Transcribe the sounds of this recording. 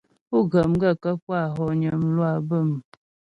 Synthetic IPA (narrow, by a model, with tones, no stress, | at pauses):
u˦ɡə˨mɡə˦˨kə˦pwa˦˨ɦɔ˨ɲə˨mlwa˦˨bə˦˨m